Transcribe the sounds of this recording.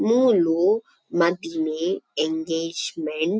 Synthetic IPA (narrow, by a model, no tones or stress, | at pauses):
mũlu | madineɛ̃ŋɡed͡ʒmɛ̃n